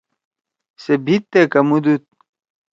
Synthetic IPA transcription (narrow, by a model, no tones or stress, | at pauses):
sebʱit̪ːekɐmud̪ut̪̚